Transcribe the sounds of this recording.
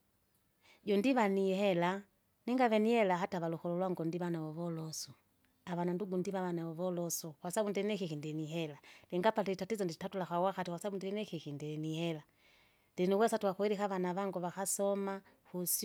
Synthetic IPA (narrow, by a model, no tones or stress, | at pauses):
ɟɔndiβaniɦɛla | niŋɡaβɛnihɛlaɦataβalɔxɔlɔlwaŋɡɔndiβanaɔβɔlɔsɔ | aβananduɡundiβaβanaɔβɔlɔsɔkwasabundɛnɛkikindiɛniɦɛlalɛŋɡapatɛitatizɔnditatulakawaxatikwasabundɛɛnɛkikindinihɛla | ndiniwɛsatuwakuiɾikaβanaβaŋɡɔβaxasɔma | hus